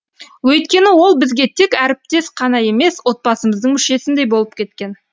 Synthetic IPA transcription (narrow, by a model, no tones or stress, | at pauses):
wɵjt̪kʲe̞nɪwo̞lˠbɪzɡʲe̞t̪ʰe̞kʲæɾɪp̚t̪e̞sqʰɑnɑje̞me̞swo̞t̪̚pɑsəməzd̪əɴŋmʏʃe̞sɪnd̪e̞jbo̞lˠəp̚kʲʰe̞t̪kʲe̞n